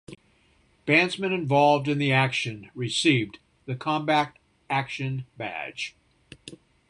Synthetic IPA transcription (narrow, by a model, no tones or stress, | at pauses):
b̥æ̃nzmɨ̃nɨ̃ɱvɑlˠvdɨ̃nðiækʃɨ̃nɹɨsiv | ðɨkʰɑ̃mbæk̚t̚ | ækʃɨ̃nbæ̰d̥ʒ̥